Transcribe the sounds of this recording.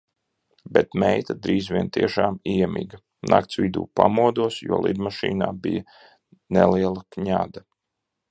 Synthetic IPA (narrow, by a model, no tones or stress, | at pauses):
bɛt̪mɛjt̪ad̪ɾiːzʋʲiɛnt̪iɛʃaːmiɛmḭːɡɐ | nʔa̰k̚t̪sʋʲid̪ṵːpamuɔd̪uɔsjuɔlˠḭd̪maʃḭːna̰ːbija | nɛlˠiɛlˠɐkɲa̰ːd̪a